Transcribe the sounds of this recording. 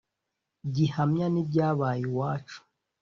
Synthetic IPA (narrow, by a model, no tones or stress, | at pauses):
ɟihamɲanibɟaːβaːjiwaːt͡ʃu̥